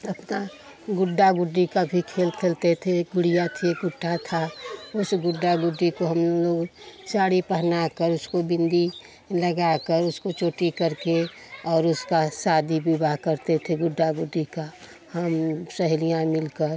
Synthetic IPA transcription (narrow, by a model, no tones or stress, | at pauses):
əpna | ɡʊɖːaɡʊɖːikabʱikʰeːlt̪ʰelt̪et̪ʰeɡʊɽijat̪ʰieɡʊʈʰːat̪ʰaʊsɡʊɖːaɡʊɖːikoɦəmloːɡt͡ʃaːɽipəɦnakəɾʊskobɪ̃nd̪i | ləɡakəɾʊskot͡ʃoːʈikəɾke | ɔːɾʊskasaːd̪ibʱibaɦkəɾt̪et̪ʰeɡʊɖːaɡʊɖːika | həmsəɦlijãmɪlkəɾ